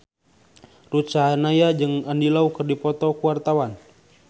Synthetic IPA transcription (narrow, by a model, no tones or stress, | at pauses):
rut͡ʃaanajad͡ʒɨŋandilaukɨrdipɔt̪ɔkuwart̪awan